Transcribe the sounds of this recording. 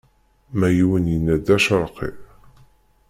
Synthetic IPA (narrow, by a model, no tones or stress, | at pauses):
mæjiwənjənːæd̪æʃəɾˤqḭ